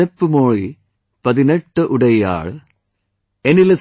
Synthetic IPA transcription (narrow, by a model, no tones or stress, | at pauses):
epːɨmoːɻi | pɐðineʈːɨʔuɽɐja̰ːɭ | enilɐs